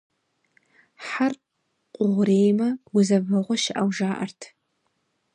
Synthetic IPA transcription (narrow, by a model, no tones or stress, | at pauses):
ħar | qʷʼʊʁʷreːjmɐɡʷʊzɐvɐʁʷɔʃɪʔawʐaːʔɐ̰rtʰ